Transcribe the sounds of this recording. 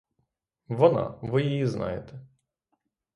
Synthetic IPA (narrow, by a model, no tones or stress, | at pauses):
ʋɔnɑ̰ʋɪjijiznɑ̰jet̪ɛ